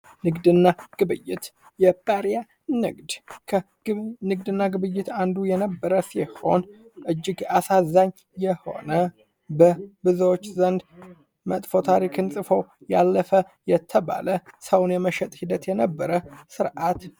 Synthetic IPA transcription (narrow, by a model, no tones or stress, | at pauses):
nɨɡd̪ɨnːaɡ̥ɨβɨjːɪt̪ | jɛpʼaɾja | nɨɡd̪kʰə | nɨɡd̪ɨnːaɡɨβɨjːɪt̪and̪ujɛnəbːəɾəsiho̞̰nʔɨd͡ʒːɪɡasazaɲː | jɛho̞̰nə | bəbɨzəwot͡ʃːzənd̪ | mət̪ʼfo̞t̪ʰaɾikʰɨnsʼɨfowjalːəfə | jɛt̪ʰːəβa̰ləsəwnjɛməʃɛt̪ʼhid̪ət̪jɛnəbːəɾəsɨɾʔat̪